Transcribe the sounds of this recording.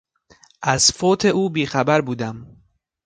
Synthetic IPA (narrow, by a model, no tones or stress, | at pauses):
ʔæz̥foːt̪ʰe̞ʔuːbiːxæbæɾbuːd̪æm